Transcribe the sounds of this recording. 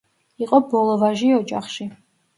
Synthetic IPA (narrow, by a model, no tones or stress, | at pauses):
iqʼɔbɔlˠɔvaʒiɔd͡ʒʼa̰χʃi